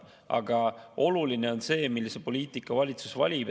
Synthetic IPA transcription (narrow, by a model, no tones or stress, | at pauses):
ɑ̰ɡ̥ɑo̞luline̞o̞nse̞ːmilːisepo̞lʲiːt̪ˑikːˑɑvɑlʲit̪susvɑ̰lʲib